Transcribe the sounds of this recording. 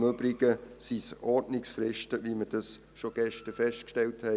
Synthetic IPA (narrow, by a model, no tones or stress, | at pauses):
møbɾɪɡ̥əsisɔɾdnɪksfɾɪʃtəviməd̥ɑs | ʃoɡ̥ɛʃtəfɛʃtkʃtɛlthɛ